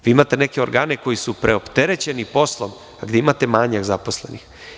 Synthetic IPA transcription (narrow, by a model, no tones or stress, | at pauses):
ʋiːimat̪e̞neke̞o̞ɾɡaːne̞ko̞jisupɾʔe̞o̞pt̪e̞ɾet͡ɕe̞nipo̞slˠom | aɡd̪eimat̪e̞maːɲaɡzaposle̞̰nix